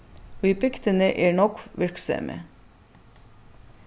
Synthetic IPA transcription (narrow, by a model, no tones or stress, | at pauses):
oːiːpɛkt̪ənəʔeːɳɔkʋɪɾksœ̰mʔə̰